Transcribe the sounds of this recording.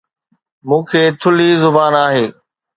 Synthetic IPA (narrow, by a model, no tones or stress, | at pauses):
mũːkʰeːt̪ʰʊlizʊbaːnaːɦeː